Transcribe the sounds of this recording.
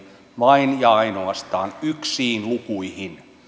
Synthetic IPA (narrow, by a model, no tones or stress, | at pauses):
ʋɑinjɑɑinoɑst̪ɑːnyksiːnlukuihin